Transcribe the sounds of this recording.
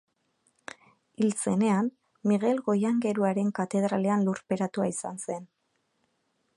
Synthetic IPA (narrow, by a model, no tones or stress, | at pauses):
ilt͡se̞ne̞an | miɣe̞lɣo̞jaŋɡe̞ɾuaɾe̞ŋkat̪e̞ðɾale̞anluɾpe̞ɾat̪uaisa̰nse̞n